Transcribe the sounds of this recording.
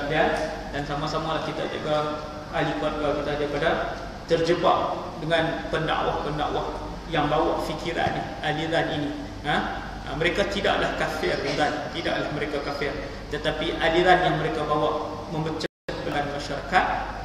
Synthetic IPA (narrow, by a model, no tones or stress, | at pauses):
lian | dansamasamalahkit̪a̰ʔd͡ʒuɡa | alikat̪̚ɡakit̪adapada | t̪ərd͡ʒəbaʔ | dəŋanpənda̰ʔwahpənda̰ʔwah | jaŋbawaʔfikʰiɾa̰nihaliɾanini | ə | mə̃ɾekat̪ida̰ʔlahkafɪrundant̪ida̰ʔlahmə̃ɾekakafɪr | t̪ət̪apiʔaliɾanjaŋməɾekabawaʔ | mə̃mbət͡ʃaəəpəlanmãʃaɾa̰kat̪̚